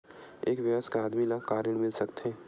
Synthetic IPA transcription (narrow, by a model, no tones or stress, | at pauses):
eːkʋɪʋəskaaːd̪milakaːɾəɽ̃mɪlsɐkt̪ɦeː